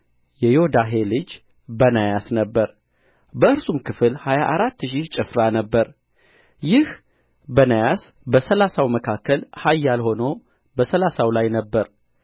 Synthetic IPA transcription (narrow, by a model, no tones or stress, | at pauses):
jɛjod̪aɦe̞lɨd͡ʒ | bənajasnəbːəɾ | bəɨɾsumkʰɨfɨlhajaʔaɾat̪ːʃ̬iht͡ʃʼɨfɾanəbːəɾ | jɪh | bənajas | bəsəlasawməkʰakʰːəlhajːalho̞no̞ | bəsəlasawlajnəbːəɾ